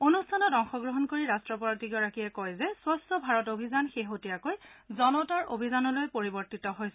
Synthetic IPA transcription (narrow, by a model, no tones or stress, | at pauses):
onustʰanɔtɔŋxɔɡɹoɦɔnkoɹiɹastɹɔpɔatiɡɔɹakiɛkɔjzɛswɔstɔbʱaɹɔtobʱizanxeɦotijakojzɔnɔtaɹo̰bʱizanɔlojpoɹibɔɹtitɔɦojsɛ